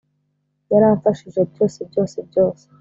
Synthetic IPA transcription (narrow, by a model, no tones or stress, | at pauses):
jaɾaːɱfaʃiʒeb̚jo̞ːsebɟo̞ːsebjo̞ːse̥